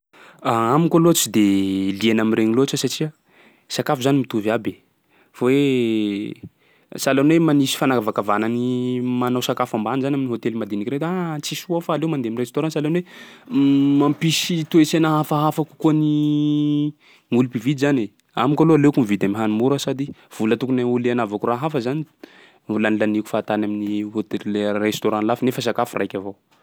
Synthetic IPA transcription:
aamikaloat͡sid̪elienamireɲiloat͡ʃasaʈ͡ʂia | sakafuzanimit̪uvabe | vowe | salenwemanisi̥fanakavakavananimanawsakafambanizanʲaminiɦot̪elimad̪inikɾet̪at͡sisuafaːlewmand̪emiret͡ʃt̪oɾãnsalenwe | mampisit̪uesenaɦafaɦafaku̥kuəni | ŋulipivid̪izane | amikaloalekumvid̪amiɦanumuɾasad̪iv̥ulət̪ukunaulianavakuraɦafəzani | ulanilaniku̥faːt̪anaminihot̪elrest̪oɾãlafnefəs̬akafurajkʲavo

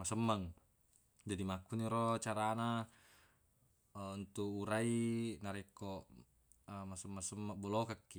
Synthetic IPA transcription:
masəmːaŋ | d͡ʒadimakuɲiɾot͡ʃaɾana | unt̪uuɾainaɾɛko | masəmːasəmːabɔlokakːi

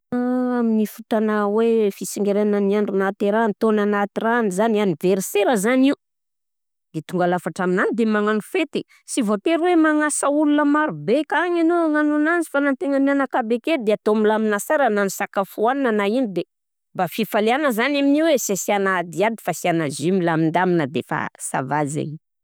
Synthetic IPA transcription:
aaminifut̪anawefisiŋɡeɾenəniaɳɖ͡ʐunat̪eɾant̪onanat̪iranizanianiveɾseɾəzaniu | d̪et̪uŋɡalafaʈ͡ʂaminanid̪emaŋanufet̪e | sivot̪eɾwemaŋasəulunəmaɾubekaŋanoŋanunanzi̥fanant̪eŋanianakabeked̪eat̪omilaminasaɾananusakafuannanainid̪e | bafifaleanəzanaminiwesasianaːd̪iad̪i̥fasianazimilamind̪aminəd̪efa̰sa̰vazḛi

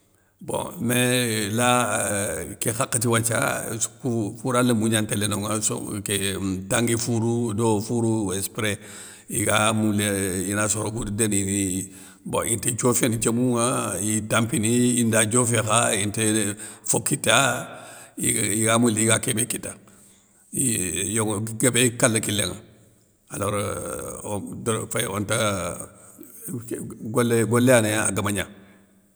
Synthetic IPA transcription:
bõ̰mela | kexakːətiwat͡ʃa̰kufuɾaləmuɲantelenoŋaso̰ketaŋɡifuɾudofuɾuwespɾe | iɡamuleinasoɾokuddenii | bõ̰ʔinted͡ʒofenit͡ʃemuŋaitampiniindad͡ʒofexaintefokːitːa | ḭiɡamuliiɡakebekitːa | ijoɡɡebekalːakilḛŋa̰ | aloɾ | dfajo̰nta | ɡoleɡoleanejaa̰ɡamaɲa̰

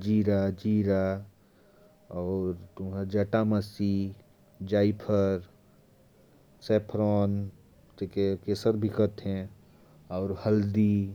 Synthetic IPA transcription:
d͡ʒiːɾad͡ʒiːɾa | ɔːɾt̪ʊmɦə̃d͡ʒəʈaməsi | d͡ʒaːipʰəɾ | seːpʰɾɔːn | t̪ekekesəɾbʱɪkət̪ɦɛ̃ | ɔːɾhəld̪i

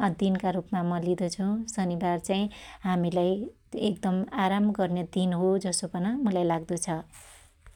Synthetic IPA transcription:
ʌd̪inkaɾupmamʌlid̪ʌt͡sʰũsʌnibart͡saj̃ɦamilaj | ekd̪ʌmaɾamɡʌrned̪inɦod͡zʌsopʌnʌmʌlajlaɡd̪ut͡sʰʌ

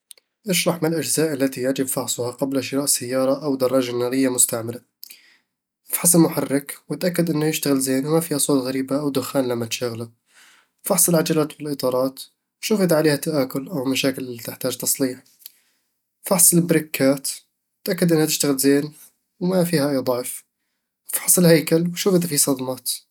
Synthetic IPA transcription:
ʔɪʃɾˤɑħmɪlʔad͡ʒzaːʔalːat̪ijaʕd͡ʒɪbfɑħsˤʊhaqablaʃɪɾaːʔsajːɑːɾˤɑʔawd̪ɑrˤːɑːd͡ʒanːɑːɾɪjːamʊst̪aʕmala | ʔɪfħɑsˤɪlmʊħarːɪkwɪt̪ʔakːad̪ʔɪnːʊjɪʃt̪aɣɪlzeːnwmafiːhasˤoːt̪ɣaɾiːbaʔawd̪ʊxaːnlamːat̪ʃaɣla | fɑħsˤɪlʕad͡ʒalaːt̪wɪlʔɨt̪ˤɑːɾˤɑːt̪ | wʃufɪd̪aʕaleːhat̪ːaʔaːkʊlʔawmaʃaːkɪllit̪ɪħt̪aːd͡ʒt̪ɑsˤliːħ | fɑħsˤɨlbɾɪkːaːt̪ | ɪt̪ʔakːad̪ʔɪnːhat̪ɪʃt̪aɣɪlzeːn | wmafiːhaʔajd̪ˤɑʕf | afħɑ̥sˤɨlhajkalwʃuːfɪd̪afisˤɑd̪mɑːt̪

